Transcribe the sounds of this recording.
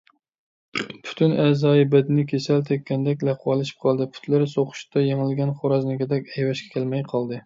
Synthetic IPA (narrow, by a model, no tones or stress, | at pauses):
pʰy̥t̪ʰynɛːzɑːjibɛd̪ɪnɪkʲʰesælt̪ʰɛkʲːɛnd̪ɛkʲlɛqʰwɑlˠɨʃi̥p̚qʰɑlˠd̪ɨpʰy̥t̪lɪɾsoqʊ̥ʃt̪ʰɑjeŋɪlɡʲɛnχoɾɑznɪkʲɪd̪ɛkʲɛjwɛʃkʲʰɛ̥kʲʰælmɛjqʰɑlˠd̪ɨ